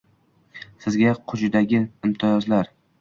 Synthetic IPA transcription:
sɪzɡʲaqʰʊt͡ʃɪd̪aɡʲɪɪmt̪ʰɪjɒzlaɾ

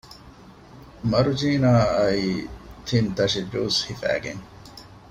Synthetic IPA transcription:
mɐɾud͡ʒiːnaːɐiːt̪ʰint̪ɐʃiduːshifæ̰ːɡḛŋ

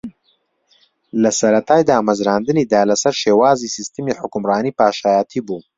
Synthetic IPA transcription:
lɐsɐɾɐt̪ʰaːjd̪aːmɐzɾaːnd̪ɨniːd̪aːlɐsɐɾʃeːwaːziːsist̪ɨmiːħʊkʊmrɑːniːpaːʃaːjat̪ʰiːbuː

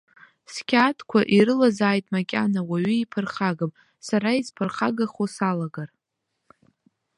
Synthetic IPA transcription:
skʲʰatʰʼkʷʰaʔiɾɨlazaːjtʼmakʲʼanawaɥʏipʰɨrχaɡɨm | saɾaizpʰɨrχaɡaχosalaɡar

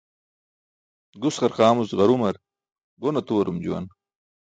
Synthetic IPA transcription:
ɡusqɐɾqaːmusʁɐɾumɐɾ | ɡonɐt̪uwɐɾumd͡ʑṵwɐ̰n

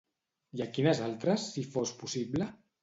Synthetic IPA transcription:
jakinəzalˠt̪ɾəsːifospusiblə

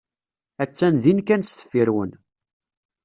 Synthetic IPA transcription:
æt͡sːænðinkænsθə̥fːiɾwən

